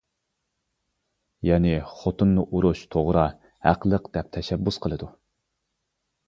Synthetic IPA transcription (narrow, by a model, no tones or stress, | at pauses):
jɛnɪχot̪unːuʔuɾuʃt̪ʰoʁɾɑ | hæ̰qlˠəqd̪̥ɛp̚t̪ʰɛʃɛbːusqʰəlˠɨd̪u